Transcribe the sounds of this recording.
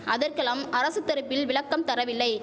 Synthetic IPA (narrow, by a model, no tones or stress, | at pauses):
ʔɐðɐrkɐlɐmɐɾɐsɯt̪ːɐɾɯpːɪlʋɪɭɐkːɐmt̪ɐɾɐʋɪlːɐɪ